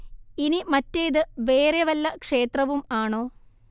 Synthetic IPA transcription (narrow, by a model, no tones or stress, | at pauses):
inimɐtːejðɨʋe̞ːreʋɐlːɐkʂeːt̪rɐʋumaːɳo̞ː